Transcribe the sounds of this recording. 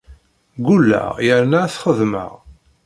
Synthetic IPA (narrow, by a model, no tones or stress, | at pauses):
ɡulːæ̰jəɾnaθχəðmə̰ʁ